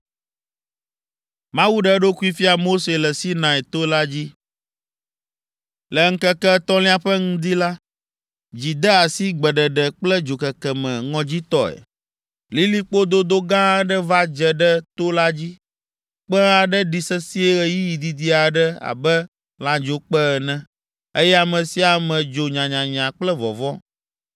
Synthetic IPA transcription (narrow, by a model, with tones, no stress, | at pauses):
mã˦wu˦ɖɛ˦ɖo˦ku˦i˦fi˦a˨mo˦se˨lɛ˨si˦nã˨ɛ˨t̪o˦la˦d͡ʑi˦ | lɛ˨ŋ̩˦kɛ˦kɛ˦t̪ɔ̃˦lĩ˦a˦ɸɛ˦ŋũ˦d̪i˦la˦ | d͡ʑi˨d̪ɛ˦a˨si˦ɡ͡bɛ˨ɖɛ˨ɖɛ˨k͡plɛ˦d͡ʒo˨kɛ˨kɛ˨mɛ̰̃˨ŋɔ̃˨d͡ʑi˦t̪ɔ˦ɛ̰˨ | li˦li˦k͡po˦d̪o˦d̪o˦ɡã˦ɖɛ˦va˦d͡ʒɛ˨ɖɛ˦t̪o˦la˦d͡ʑi˦ | k͡pɛ˦a˨ɖɛ˦ɖi˨sɛ˦si˦ɛ˦ɣɛ˨ji˦ji˨d̪i˨d̪i˦a˨ɖɛ˦a̰˨bɛ˦ | lã˨d͡ʒo˨k͡pɛ˦˨nɛ̃˦ | e˦jɛ˦a˨mɛ̃˨si˦a˨mɛ̃˨d͡ʒo˨ɲã˨ɲã˨ɲã˨k͡plɛ˦vɔ̰˨vɔ˦